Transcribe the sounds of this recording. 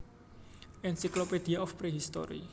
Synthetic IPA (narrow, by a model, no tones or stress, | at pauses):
ʔɛnsikloped̪̥iaɔfpɾeɦist̪ɔ̰ɾḭ